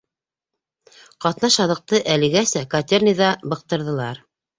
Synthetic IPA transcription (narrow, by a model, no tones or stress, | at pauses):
qɑt̪nɑʃɑðɤ̆q̚t̪ɤʔælɘ̆ɡæsækat̪ʲernɤ̆jðɑbɤ̆q̚t̪ɤ̆ɾðɤ̆lˠɑɾ